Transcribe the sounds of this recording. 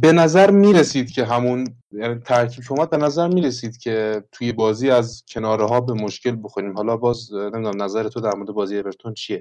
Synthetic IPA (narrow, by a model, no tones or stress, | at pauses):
be̞næzæɾmiːɾesiːd̪cʰʲe̞ɦæmun | jnit̪ʰæɾkʰiːbkʰeuːmæd̪̚be̞næzæɾmiːɾesiːd̪̥cʰe̞t̪ʰuːje̞bɒːziːæzcʰe̞nɒːɾeɦɒːbemoʃce̞lbo̞xoɾiːmɦɒːlɒːbɒːznemid̪unæmnæzæɾet̪ʰod̪æɾmo̞ɾed̪e̞bɒːziːebeɾt̪ʰont͡ʃʰije